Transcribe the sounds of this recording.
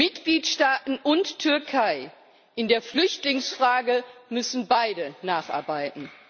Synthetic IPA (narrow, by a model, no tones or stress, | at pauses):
mɪtɡ̥liːtʃtaːtn̩ʔʊntːʰʏɐkʰaɪ | ʔɪndeːɐflʏçtlɪŋsfʁ̥aːɡəmʏsn̩baɪdənaːχʔa̰ɐbaɪtn̩